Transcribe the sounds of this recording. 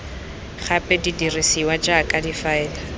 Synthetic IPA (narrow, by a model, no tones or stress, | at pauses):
χapʼɛdidirisiwad͡ʒakʼadifaɛːla